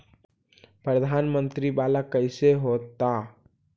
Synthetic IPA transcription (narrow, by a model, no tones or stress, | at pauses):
pɾəd̪ʱanmənt̪ɾibalakəɪseɦot̪ːa